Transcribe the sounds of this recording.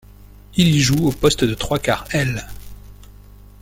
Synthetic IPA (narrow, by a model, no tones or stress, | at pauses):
ilʒuopɔst̪d̪ət̪χwaka̰ʁɛl